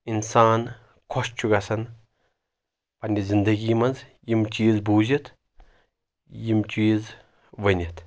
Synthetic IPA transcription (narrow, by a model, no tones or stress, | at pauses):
insaːn | kʰost͡ʃʰuɡasɐn | pɐnʲdʲizind̪ɐɡiːmɐnzjimt͡ʃiːzbuːzit̪ʰ | jimt͡ʃiːz | ʋɐnʲit̪ʰ